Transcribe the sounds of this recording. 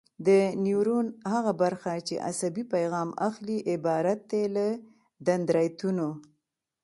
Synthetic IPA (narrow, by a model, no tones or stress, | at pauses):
d̪ənjuɾunhaɣabaɾxat͡ʃḛʔa̰sabipajɣɑma̰xliʔɪbɑɾat̪̚d̪elə | d̪and̪ɾɑjt̪uno